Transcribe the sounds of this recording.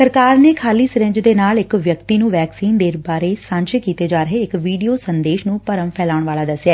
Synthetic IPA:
səɾkaːɾneːkʰaːliːsɾɪ̃ɲd͡ʒd̪eːnaːlɪkʋjəkt̪iːnũːʋɛːksiːnd̪eːɾbaːɾeːsãːɲt͡ʃekiːt̪eːd͡ʒaːɾəɦeɪkʋiːɖijoːsənd̪eːʃnũːpəɾəmpʰɛːlaːʊɳʋaːlaːd̪əsɪjaː

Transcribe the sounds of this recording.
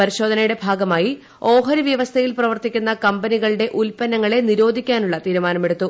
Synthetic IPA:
pɐɾiɕo̞ːd̪ʱɐnɐjuɽe̞bʱaːɡɐmaːji | o̞ːɦɐɾuʋjɐʋɐst̪ʰɐjilprɐʋɐrt̪ikʲːunːɐkɐmbɐniɣɐɭɨɽe̞ʔulpɐnːɐŋːɐɭe̞niɾo̞ːd̪ʱikʲːaːnuɭːɐt̪iːɾumaːnɐme̞ɽut̪ːu

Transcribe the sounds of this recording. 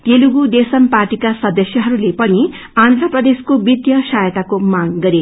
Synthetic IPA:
t̪eluɡud̪esʌmparʈikasʌd̪ʌsjʌɦʌɾulepʌni | and̪rʌprʌd̪eskobid̪jʌsajʌt̪akomaŋɡʌɾe

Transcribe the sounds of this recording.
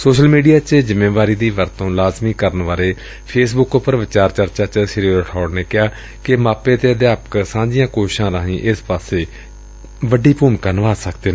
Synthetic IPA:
soːʃəlmiːɖijaːt͡ʃəzɪmẽːʋaːɾiːd̪iːʋəɾt̪õːlaːzmiːkəɾənʋaːɾeː | pʰeːsbʊkopːəɾʋɪt͡ʃaːɾt͡ʃəɾt͡ʃaːt͡ʃəsɪɾiːɾəʈʰɔːɖneːkɪɦaː | kɪmaːpeːt̪eːəd̪aːpə̥ksãːɲd͡ʒɪjãːkoːʃʃãːɾãːɦĩːʔɪspaːseː | ʋəɖiːpuːmkaːnəʋaːsəkd̪eːneː

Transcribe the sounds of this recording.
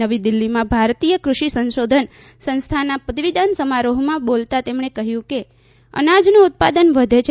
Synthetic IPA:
əʋid̪ilːimãbʱaɾt̪ijəkɾuʃisə̃nʃod̪ʱən | sə̃nst̪ʰanapət̪ʋid̪ansəmaɾoɦmãbolt̪at̪emɳekəɦjũke | ə̰nad͡ʒnũʊt̪̚pad̪ənʋəd̪ʱet͡ʃʰ

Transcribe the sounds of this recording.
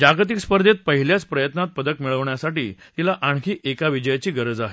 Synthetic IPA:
d͡ʑaɡt̪̬ikspəɾd̪ʱet̪̚pəɦiljat͡spɾəjət̪nat̪̚pəd̪əkmiɭəʋɳjasaʈiːt̪ilaʔaɳkʰiːʔekaʋid͡ʑəjat͡ɕiːɡəɾəd͡zaɦe

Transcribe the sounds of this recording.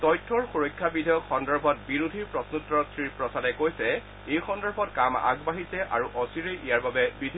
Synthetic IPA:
tɔjtʰːɔɹxuɹɔjkʰːabidʱɔjɔkxɔndɔɹbʱɔt̚biɹudʱiɹpɹɔsnutɹɔtʰɹiɹpɹɔsadɛkojsɛ | ejxɔndɔɹbʱɔtkama̰ɡbaɦisɛʔaɹuʔɔsiɹeʔijaɹbabɛbidʱ

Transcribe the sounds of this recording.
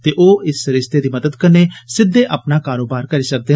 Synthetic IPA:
t̪eːʔoːɪsɾɪst̪eːd̪iːməd̪əd̪kəneːsɪd̪ːeːʔapnaːkaːɾoːbaːɾkəɾiːsək̚d̪eː

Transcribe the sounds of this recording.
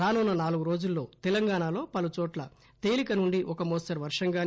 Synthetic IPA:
aːnuːnːɐnaːluɡuɾo̞ːd͡ʒulːo̞ːt̪ɛlɐŋɡaːɳaːlo̞ːpɐlut͡ʃɔːʈlɐ̰ | t̪eːlikɐnuɳɖiʔɔkɐmoːsɐɾʋɐɾʂɐŋɡaːn

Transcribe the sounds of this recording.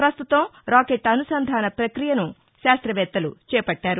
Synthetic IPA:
pɾɐst̪ut̪ɐmɾaːkeːʈɐnusɐnd̪ʱaːnɐpɾɐkɾijɐnu | ʃaːst̪ɾɐʋɛːt̪ːɐlṵt͡ʃɛːpɐʈːaːɾu

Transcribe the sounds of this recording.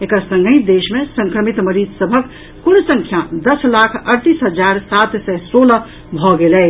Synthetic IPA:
ekəsə̃ŋɡəid̪esmẽsə̃ŋkɾəmit̪məɾid͡ʒsəbʱəkː | unsə̃ŋkʰjad̪əslakʰəɾt̪isɦəd͡ʒaɾsat̪sɛsolə | bʱɔɡelɛ

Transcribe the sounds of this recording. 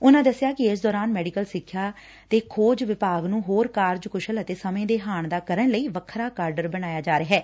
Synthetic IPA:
ʊnãːd̪əsːɪjaːkɪɪsd̪ɔːɾaːnmɛːɖikəlsɪkʰːjaː | t̪eːkʰoːd͡ʒʋɪpaːɡnũːɦoːɾkaːɾd͡ʒkʊʃələt̪eːsəmẽːd̪eːɦaːɳd̪aːkəɾəɳləiːʋəkʰɾaːkaːɾɖəɾbəñaːjaːd͡ʒaːɾeɦɛː

